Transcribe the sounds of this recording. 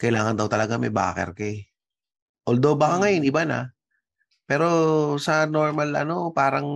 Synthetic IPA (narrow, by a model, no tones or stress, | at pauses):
kɐʔɪlaːŋɐnd̪ɐwt̪ɐlɐɡamɐ̰jba̰ːkɛ̰ɾka | ʔold̪o̞bɐkaŋɐjonʔɪbanɐ̰ | pɛːɾo̞sɐno̞ɹmɐlɐ̰no̞paːɾɐŋ